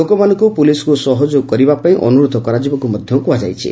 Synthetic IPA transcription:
okɔmanɔ̃ŋkupulisɔ̥kusɔɦɔd͡ʒokɔɾibapaĩʔɔ̰nuɾod̪ʱɔkɔɾad͡ʒibɔkumɔd̪ʱjɔŋkuad͡ʒa̰jt͡ʃʰḭ

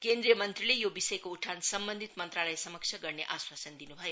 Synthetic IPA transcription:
kend̪ɾijəmʌnt̪rilejobisʌjkouʈʰansʌmbənd̪ʱit̪mʌnt̪ɾalajsʌməkt͡ʃʰʌɡʌɾneʔaswasənd̪inubʱʌjo

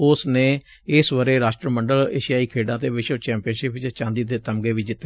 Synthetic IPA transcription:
ʊsnẽː | ɪsʋəɾeːɾaːʃʈɾəməɳɖəlḛːʃijaːiːkʰeːɖãːt̪eːʋɪt͡ʃot͡ʃɛ̃ːmpijənʃɪpt͡ʃt͡ʃãːnd̪iːt̪eːt̪əmɡeːʋiːd͡ʒɪt̪ːe

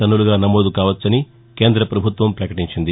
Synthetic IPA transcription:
ɐnːuluɡaːnɐmoːd̪ukaːʋɐt͡ʃːɐni | ke̞ːnd̪ɾɐpɾɐbʱut̪ʋɐmpɾɐkɐʈiɲt͡ʃind̪i

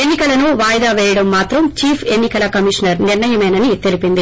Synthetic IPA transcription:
enːikɐlɐnuʋaːjɐd̪aːʋɛːjɐɽɐmːaːt̪ɾɐmt͡ʃiːpʰe̞nːikɐlɐkɐmiʂnɐɾniɾnɐjɐmɐjnɐnit̪elipind̪i

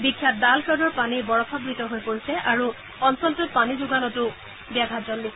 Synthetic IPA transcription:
bikʰːjat̚dalsɔdɔɹpanibɔɹɔpʰabɹitɔɦojpoɹisɛʔaɹu | ɔnsɔntut̚panizuɡanɔtʊ | biaɡʱazɔlːi

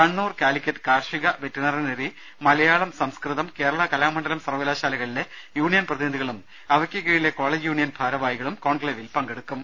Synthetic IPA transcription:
kɐɳːuːrkaːlikʲːɐtːɨ̥kaːrʂiɣɐʋetːɐnɐrɐneri | mɐlɐjaːɭɐmsɐmskrɨðɐmke̞ːɾɐɭɐkɐlaːmɐɳɖɐlɐmsɐrʋɐlaːɕaːlɐɣɐɭilejuːɳijɐnprɐðinɐd̪ʱiɣɐɭum | ɐʋɐkʲːɐkːeːɻileko̞ːɭeːd͡ʑjuːɳijɐnbʱaːɾɐʋaːjiɣɐɭumko̞ːɳɡleːʋilpɐŋɡeɽukːum

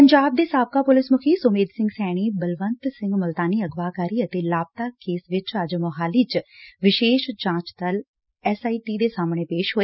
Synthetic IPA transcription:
pəɲd͡ʒaːb̚d̪eːsaːb̚kaːpʊlɪsmʊkʰiːsoːmeːd̪sɪ̃ŋɡsɛːɽ̃iːbəlʋənt̪sɪ̃ŋɡməlt̪aːniːəɡʋaːkaːɾiːət̪eːlaːb̚t̪aːkeːsʋɪt͡ʃəd͡ʒmɔɦaːliːt͡ʃʋɪʃeːʃd͡ʒãːt͡ʃt̪əl | ɛsaːiːʈiːd̪eːsaːmɳ̃eːpeːʃɦoːeː

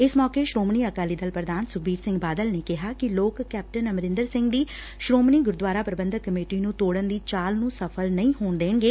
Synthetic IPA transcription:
ɪsmɔːkeːʃɾoːmniːəkaːliːd̪əlpɾəd̪aːnsʊkʰbiːɾsɪ̃ŋɡbaːd̪əlneːkɪɦaːkɪloːkːɛːp̚ʈənəmɾɪ̃nd̪əɾsɪ̃ŋɡd̪iː | ʃɾoːmniːɡʊɾd̪ʋaːɾaːpɾəbə̃nd̪əkːəmeːʈiːnũːt̪oːɽənd̪iːt͡ʃaːlnũːsəpʰəlnəĩːɦoːɳd̪eːɳɡeː

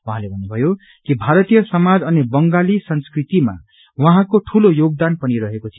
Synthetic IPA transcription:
wʌɦãlebʱʌnːubʱʌjo | kibʱaɾʌt̪ijʌsʌmad͡zʌnebʌŋɡalisʌnskrit̪ima̰ | wʌɦãkoʈʰulojoɡ̚d̪anpʌniɾʌɦekot͡sʰi

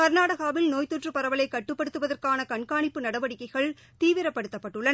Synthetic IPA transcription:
kɐɾnaːɽɐɣaːʋɪlnoːjt̪uʈrɯpɐɾɐʋɐlɐɪkːɐʈːɯpːɐɽɯt̪ːɯʋɐðɐrkaːnɐkɐɳkaːɳɪpːɯnɐɽɐʋɐɽɪkːɐɪɣɐɭ | t̪iːʋɪɾɐpːɐɽɯt̪ːɐpːɐʈːɯɭːɐn

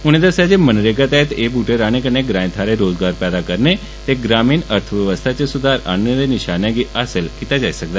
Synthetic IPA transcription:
uɽ̃ed̪əsad͡ʑemənɾeɡət̪aɦet̪ebʱuʈeɾaɽ̃ekəneɡɾãj̃t̪ʰaɾeɾod͡zɡaɾpɛd̪akəɾne | t̪eɡɾamiːnəɾt̪ʰəʋjəʋəst̪ʰat͡ɕesud̪ʱaɾa̰njəd̪eniɕanjaɡiəselkit̪ad͡ʑaisəkd̪a

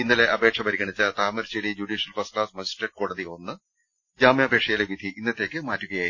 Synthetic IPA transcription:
inːɐleʔɐbe̞ːkʂɐpɐɾiɣɐɳit͡ɕːɐt̪aːmɐɾt͡ɕeɽid͡ʑuɽiːʂjɐlfɐsklaːsmɐd͡ʑisʈeɖko̞ːɽɐðionːɨ | d͡ʑaːmjɐːbʱe̞ːkʂɐjɐleʋid̪ʱiʔinːɐt̪ːe̞ːkʲːɨmaːtːuɣɐjaː

